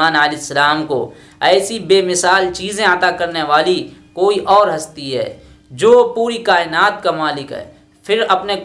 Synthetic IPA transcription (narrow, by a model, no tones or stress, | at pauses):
aːnəlɪsːəlaːmko̰ | ɛːsibeːmɪsaːlt͡ʃiːzẽɐt̪akɐɾneʋaːlikoːiʔɔːɾɦɐst̪iɦɛ̰ː | d͡ʒoːpuːɾikaːɪnaːt̪kamaːlɪkɦɛ̰ː | pʰɪɾɐpnek